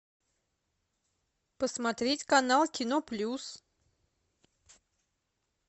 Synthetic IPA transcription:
pəsmɐt̪ɾʲetʲkɐnalˠkʲɪnoplʲus

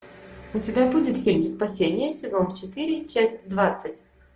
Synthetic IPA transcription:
ʊtʲɪbʲabudʲɪt̪fʲilʲmspɐsʲenʲɪjəsʲɪzo̞nft͡ɕɪt̪ɨɾʲɪt͡ɕæsʲtʲd̪vat̪sɨtʲ

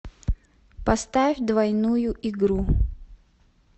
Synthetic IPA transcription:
pɐst̪afʲd̪vɐjnujʊʔiɡɾu

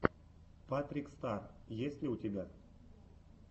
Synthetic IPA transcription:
pat̪rʲikst̪arjesʲt̪ʲlʲiut̪ʲeɡʲa

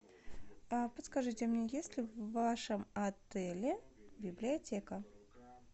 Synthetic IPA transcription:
apət̪skɐʐɨtʲɪmnʲejesʲlʲɪvːaʂɨmɐt̪ɛlʲɪbʲɪblʲɪɐtʲekə

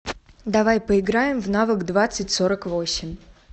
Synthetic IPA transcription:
d̪ɐvajpəɪɡɾajɪmvnavəkd̪vat̪sɨtʲso̞ɾəkvo̞sʲɪmʲ

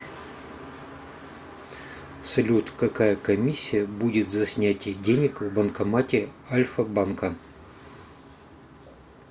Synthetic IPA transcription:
sɐlʲut̪kɐkajəkɐmʲisʲːɪjəbudʲɪt̪zɐsʲnʲætʲɪədʲenʲɪkvbənkɐmatʲɪalʲfɐbankə

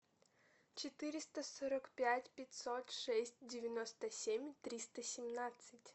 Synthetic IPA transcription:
t͡ʃet̪ɪɾʲɪst̪ɐsɔɾɐkpʲjatʲpʲɐtʲsɔt̪ʂɛsʲtʲdʲɪʋʲjɐnɔst̪ɐsʲemʲt̪ɾʲist̪ɐsʲimnɑt͡sʲːɐtʲ

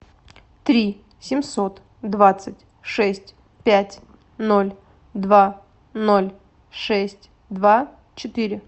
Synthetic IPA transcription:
t̪ɾʲi | sʲɪmsot̪ | d̪vat̪sɨtʲ | ʂɛsʲtʲ | pʲætʲ | nolʲ | d̪va | no̞lʲ | ʂɛsʲtʲ | d̪va | t͡ɕɪt̪ɨɾʲɪ

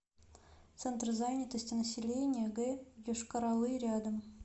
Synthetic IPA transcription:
t̪sɛnt̪rzanʲɪt̪əsʲtʲɪnəsʲɪlʲenʲɪjəɡɛjoʂkəɾalˠɨɾʲad̪əm

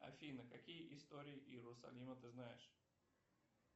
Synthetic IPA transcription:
ɐ̰fʲinəkɐkʲijəʔɪst̪oɾʲɪɪʔjɪɾʊsɐ̰lʲimət̪ɨznajɪʂ

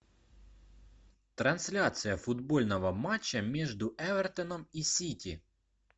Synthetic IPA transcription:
t̪ɾɐnsʲlʲat̪sɨjɐfʊd̪bo̞lʲnəvɐmat͡ɕːɐmʲeʐd̪ʊʔɛvərt̪ənəmisʲitʲi

